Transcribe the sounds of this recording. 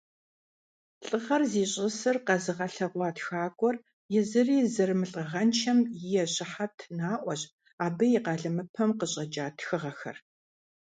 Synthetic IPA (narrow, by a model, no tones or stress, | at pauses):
ɬʼɨʁɐrziːɕʼɪsɨrqɐzɨʁɐɬɐʁʷɑːtxaːɡʷʼɔr | jɪzɨriːzɨrmɨɬʼəʁɐnt͡ʃʰɐmjɪjɛɕʼɪħatʰnaːʔʷɔɕʼ | aːbɨjɪqɑːɮɨmɨpʰɐmqəɕʼɐd͡ʒaːtʰxɨʁɐxɐ̰r